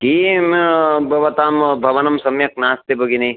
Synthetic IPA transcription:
kiːmbʱɐʋɐt̪aːmbʱɐʋɐnɐmsɐmjɐk̚naːst̪ebʱɐɡinɐi

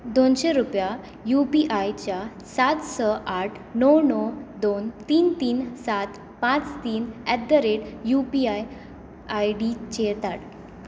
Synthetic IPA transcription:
d̪onɕeɾupja | jupiʔajt͡ɕja | sat̪səʔaʈʰnɔwnɔd̪ont̪iːnt̪iːnsat̪ | pãt͡st̪iːnɛd̪ːəɾeʈjupiaj | ajɖit͡ɕet̪aʈ

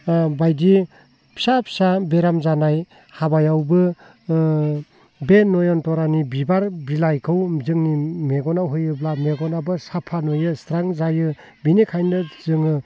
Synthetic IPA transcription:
bajdi | pʰi̥sapʰi̥sabeɾamzanaj | habajawbɯ | benɔjɔntɔɾanibibaɾbilajkʰɯwzɯŋnimeɡɔnawɦɯjɯblameɡɔnabɯsapʰanojɯstɾaŋzajɯ | binikʰajndɯz̥ɯŋɯ

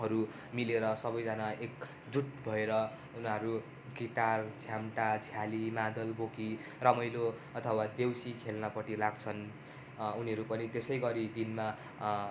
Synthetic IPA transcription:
ɦʌɾu | mileɾʌsʌbʌjd͡zanaek | d͡zuʈ̚bʱʌeɾʌ | unɦʌɾu | ɡiʈart͡sʰjamʈat͡sʰjalimãd̪ʌlboki | rʌmʌjlo | ʌt̪ʰʌwad̪ewsikʰelnʌpʌʈilaɡt͡sʰʌn | uniɦʌɾupʌnit̪esʌjɡʌɾid̪inma

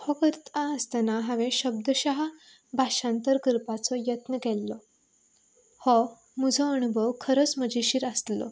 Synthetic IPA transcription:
hɔkəɾt̪aəst̪anaɦaʋẽɕəb̚d̪əɕaɦa | bʱaɕãnt̪əɾkəɾpat͡sɔjət̪nəkɛlːɔ | hɔ | məd͡zʱɔənubʱəʋkʰəɾət͡sməd͡ʑiɕiːɾəst̪lɔ̰

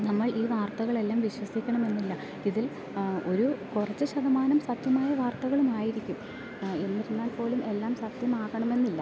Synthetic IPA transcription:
nɐmːɐɭiːʋaːrt̪ɐɣɐɭe̞lːaːmʋiɕwɐsikʲːɐɳɐme̞nːilːɐ | iðil | o̞ɾukurɐt͡ɕːɨɕɐd̪ɐmaːnɐmsɐt̪jɐmaːjɐʋaːrt̪ɐɣɐɭumaːjiɾikʲːum | e̞nːiɾunːaːlpo̞ːlumʔe̞lːaːmsɐt̪jɐmaːɣɐɳɐme̞nːilːɐ

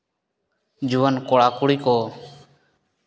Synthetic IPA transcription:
d͡ʒuankɔɽakuɽikɔ

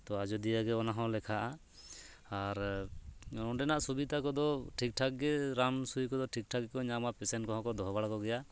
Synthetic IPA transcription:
t̪ɔad͡ʒɔd̪ijaɡɛɔnaɦɔ̃lɛkʰaʔa | aɾ | ɔɖɛnaʔsubid̪akɔd̪ɔʈʰik̚ʈʰak̚ɡɛɾansujkɔd̪ɔʈʰik̚ʈʰaɡɛkɔɲamapɛsɛnkɔ̃ɦɔ̃kɔd̪ɔɦbaɽakɔɡɛja

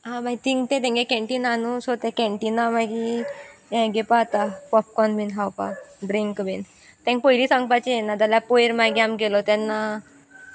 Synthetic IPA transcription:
ɦãmait̪iŋɡt̪ẽt̪ẽŋɡẽkɛ̃ɳʈinanusot̪ẽkɛ̃ɳʈinamaɡĩ | ɡepaːt̪apɔp̚kɔnminɦawpa̰ɖɾiŋkbin | t̪ɛ̃ŋk̚pəjliːsãŋɡpat͡ɕeenad͡zaljapojɾmajɡjamɡelɔt̪anːa

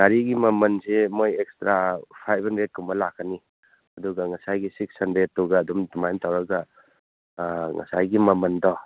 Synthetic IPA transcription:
ɡaɾiɡimɐmɐnsemojekstɾapʰajbʰʱandɾet̚kʰumbɐlakʰːani | ɐduɡɐŋɐsajɡisiksɐndɾet̚ːuɡɐːdumdumajntawɾɐɡɐ | ŋɐ̰sajɡimɐmɐndɔ

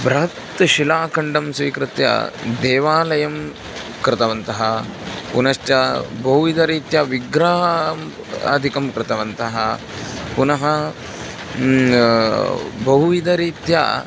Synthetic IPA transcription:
bɾɐɦɐt̪ʃilaːkɐɳɖɐmsʋiːkɾɪt̪jɐ̰d̪eːʋaːlɐjɐm | kɾɪt̪ɐʋɐnt̪ɐɦɐpunɐʃʈjɐbɐɦuʋid̪ɐɾiːt̪jɐʋiɡɾaː | ɐ̰d̪ʱikɐmkɾɪt̪ɐʋɐnt̪ɐɦɐ | punɐɦɐ | bɐɦuʋid̪ɐɾiːt̪ja̰ː

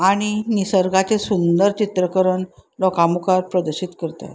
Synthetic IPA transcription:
aɽ̃inisəɾɡat͡ɕesund̪əɾt͡ɕit̪ɾəkəɾəɳlɔkamukaɾpɾəd̪əɾɕit̪kəɾt̪a̰t̪

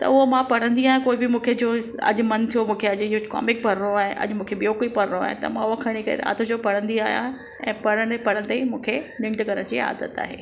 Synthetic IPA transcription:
t̪ɐ̰ʊɦomãpɐɽ̤̃ə̃nd̪iaːɦjãkoːɪbɪmũːkʰed͡ʑoːɐ̰ʄʊmɐnt̪ʰijomũːkʰeɐʄɪokɔ̰ːmɪk̚pɐɾ̤ɽoaːɦɪ̃ʔɐ̰ʄmũːkʰeɓijokoipɐɾ̤ɽoa̰ːɦɪ̰̃t̪ɐ̰mãʊɦokʰɐɽ̃ikɐ̰ɾḛa̰ːt̪ʰod͡ʑopɐɽ̤ə̃nd̪ia̰ːɦijã̰ | ɛ̃ːpɐɽəɽ̃pɐɽ̤ə̃ɽ̃t̪aimũːkʰenɪ̃ɳʈkɐɾəɽ̃d͡ʑḭːa̰ːd̪ət̪a̰ːɦḛː

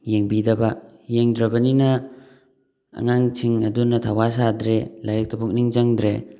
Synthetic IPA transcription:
jeŋbidɐbajeŋdɾɐbɐnina | ŋaŋtʰiŋɐdunatʰawasadɾelaɾik̚tʰabuk̚niŋzaŋdɾe

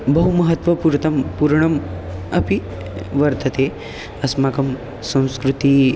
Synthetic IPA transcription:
bəɦuməɦət̪ʋɐpuɾt̪ɐmpuɾɳəm | ɐpi | ʋəɾt̪ət̪e | əsmakəm | sɐ̃w̃skɾut̪i

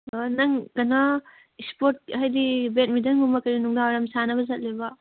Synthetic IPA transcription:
nɐŋkɐnɐ | ispoɾt̚hajdibet̚midɐŋɡumɐkɐɾinuŋdaɾamsanɐbɐzɐt̚libɐ

